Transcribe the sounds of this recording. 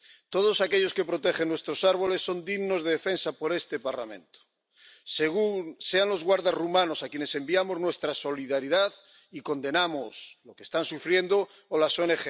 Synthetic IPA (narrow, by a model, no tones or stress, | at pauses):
t̪o̞ð̞o̞sake̞ʎo̞ske̞pɾo̞t̪e̞xenːwe̞st̪ɾo̞saɾβo̞le̞sːo̞nd̪iɣno̞zðeðe̞fe̞nsapo̞ɾe̞st̪e̞paɾlamẽ̞̰nt̪o̥ | seɣunse̞anlo̞zɣwaɾðazrumano̞sakje̞ne̞se̞mbiamo̞znwest̪ɾaso̞liðaɾiðað | iko̞nd̪e̞namosloke̥st̪ansufɾje̞nd̪oː | lasoenexe